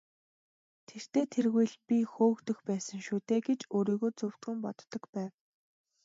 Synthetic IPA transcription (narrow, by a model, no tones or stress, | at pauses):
t̪ʰer̥t̪eːt̪ʰerɣujɮpʲixoːkt̪ɵ̆xpæːsə̆ŋʃuːt̪eːɡet͡ɕoːɾiːɣoːt͡sɵw̥t̪ɡŭmpɔt̪ːɞ̆kpæːw